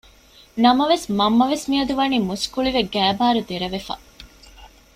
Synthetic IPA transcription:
nɐmɐʋesmɐmːɐʋesmiɐd̪uʋɐniːmuskuɭiʋeɡæːbaːɾud̪eɾɐʋefɐ̰

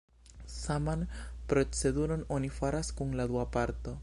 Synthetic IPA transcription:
samanpɾot͡se̞d̪uɾononifaɾaskuŋlad̪uapaɾt̪o̞

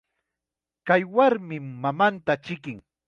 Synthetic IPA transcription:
kajwaɾmɪmːamant̪at͡ʃɪkɪŋ

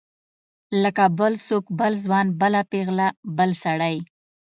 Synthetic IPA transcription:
ləkabəlsokbəlzwɑnbəlapeɣlabəlsaɽaj

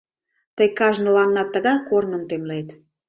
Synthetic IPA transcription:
t̪əjkɑʒnə̆lɑnnɑt̪ːəɣɑjkornə̆mt̪emlet̪

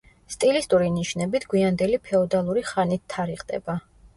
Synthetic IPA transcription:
st̪ʼilist̪ʼuɾiniʃnɛbit̪ʰɡwiand̪ɛlipʰɛɔd̪alˠuɾiχanit̪ʰːaɾiqʼd̪ʼɛ̰ba

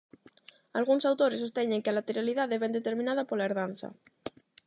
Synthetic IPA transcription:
alɣ̞uŋsawt̪oɾesost̪eɲeŋkealat̪eɾaliðaðeβɛnd̪et̪eɾmĩnaðapolaeɾðanθa̰

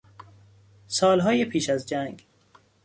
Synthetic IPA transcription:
sɒːlɦɒːjepʰiːʃæzd͡ʒæŋɡ

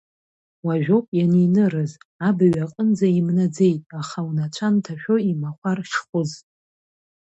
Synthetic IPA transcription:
waʒᶣopʼjaninɨrɨzabaɥaqʼənd͡zaimnad͡ze̞jtʼaχawnat͡ʃʷʰantʰaʃᶣo̞imaχʷarχʲχʷʊz

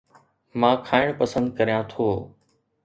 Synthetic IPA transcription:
mãːkʰaːɪɽ̃pəsə̃nd̪kɐɾijãt̪ʰoː

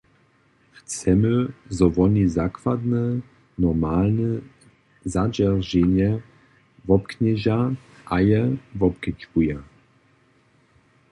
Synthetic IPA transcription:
xt͡sɛmɘzɔvɔnʲizakvad̪nɛ | nɔʁmalnə | zad͡ʑɛʁʒɛɲɛ | vɔpkɲɛʑa | ʔajɛvɔp̚kɛt͡ʃkuja

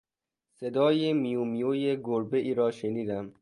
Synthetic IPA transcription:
sed̪ɒːjemijumijoːjeɡoɾbeʔiːɾɒːʃeniːd̪æm

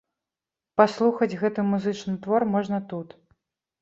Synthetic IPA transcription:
paslˠuxɐd͡zʲɣɛt̪ɨmuzɨt͡ʂnɨt̪vɔrmɔʐnɐt̪ut̪

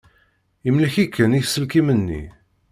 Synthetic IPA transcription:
imliçikːəniθsːəlkimənːḭ

